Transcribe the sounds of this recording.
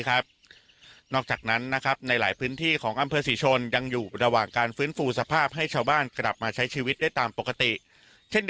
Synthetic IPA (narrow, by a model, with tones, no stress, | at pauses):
kʰa˦˥p̚ | nɔː˥˩k̚t͡ɕaː˨˩k̚na˦˥nːa˦˥kʰa˦˥p̚na˧jlaː˩˦jpʰɯː˦˥nt̪ʰiː˥˩kʰɔː˩˦ŋʔa˧mpʰɤː˧siː˩˦t͡ɕʰo˧nja˧ŋjuː˨˩ɾa˧waː˨˩ŋkaː˧nfɯː˦˥nfuː˧sa˧pʰaː˥˩p̚ɦa˥˩jt͡ɕʰaː˧wbaː˥˩nkɾa˨˩p̚maː˧t͡ɕʰa˦˥jt͡ɕʰiː˧wi˦˥t̪̚daː˥˩jt̪aː˧mpo˨˩kːa˧t̪i˨˩ʔ | t͡ɕʰe˥˩n